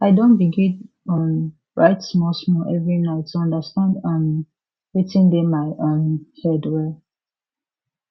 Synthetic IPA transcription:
aɪdõnbiɡĩn | ɔ̃n | ɹʔaɪtsmɔsmɔʔɛvɹinaɪtʰːuɔ̃ndəstãndɔ̃n | witĩndemaɪʔõnhɛdwɛl

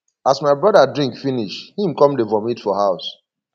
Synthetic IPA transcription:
asmaɪbɹɔdadɹĩŋkfiniʃhĩmkɔ̃mdefɔ̃mitfɔhaʊs

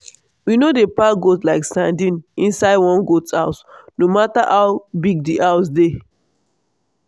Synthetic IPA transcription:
winodepaɡotlaɪkstãndĩnĩnsaɪdwɔ̃nɡota̰ʊsnomataʔaʊbiɡ̚diʔaʊs̬de

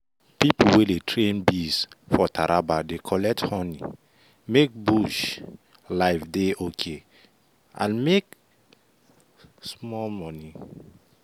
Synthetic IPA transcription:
pipuwedetʰɹẽnbisfɔtʰaɾʔabadekʰɔlɛk̚thɔnḭ | mek̚buʃ | laɪfdeokʰe | ã̰nmek | smɔlmɔni

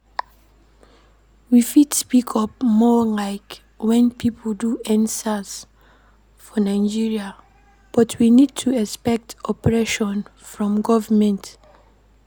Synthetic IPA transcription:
wifidspikʰɔpmɔlaɪk | wɛ̃npʰipʰlduɛ̃nsas | fɔnãɪd͡ʒiɹia | b̥ɔtʰwinid̚tʰuɛspɛk̚tɔpɹɛʃɔ̃nfɹɔ̃mɡɔvəmɛ̃nt

